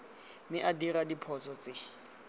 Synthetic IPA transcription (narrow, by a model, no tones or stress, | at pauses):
mɪʔadiradipʰɔt͡sʼɔt͡sʼɪ